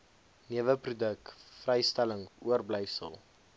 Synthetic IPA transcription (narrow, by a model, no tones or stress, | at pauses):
niəvəprudək̚frɛjstæləŋuərbləjsə̰lˠ